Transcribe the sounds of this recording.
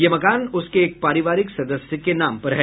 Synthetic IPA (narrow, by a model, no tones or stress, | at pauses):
jemɐkaːnʊskeeːk̚paːɾɪʋaːɾɪksɐd̪əsjəkenaːmpɐɾɦɛː